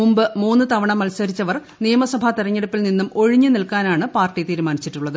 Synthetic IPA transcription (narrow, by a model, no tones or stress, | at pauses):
umbɨmuːnːɨt̪ɐʋɐɳɐmɐlsɐɾit͡ɕːɐʋɐr | nijɐmɐsɐbʱɐt̪iɾɐɲːeɽupːilninːumo̞ɻiɲːɨnilkaːnaːɳɨpaːrʈːit̪iːɾumaːnit͡ɕːiʈːuɭːɐðɨ